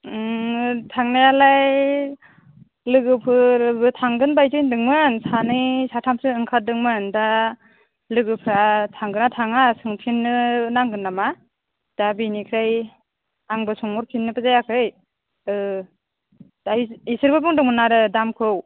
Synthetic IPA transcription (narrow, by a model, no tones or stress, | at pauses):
tʰaŋnajalaj | lɯɡɯpʰɯɾbɯtʰaŋɡɯnbajzɯjndɯŋmɯnsanɯjsatʰamsɯɯŋkʰadɯŋmɯnda | lɯɡɯpʰɯɾatʰaŋɡɯnatʰaŋasɯŋpʰinːɯnaŋɡɯnːama | d̥abinikʰɾaj | aŋbɯsɔŋmɔɾpʰinːɯpʰɯzajakʰɾɯj | ɯ | daisɯɾbɯbɯŋdɯŋmɯnaɾɯdamkʰɯw